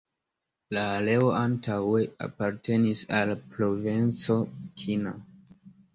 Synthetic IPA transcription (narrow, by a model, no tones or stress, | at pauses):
laːle̞o̞ʔantʰawe̞a̰paɾte̞nisalpɾo̞vent͡so̞kʰina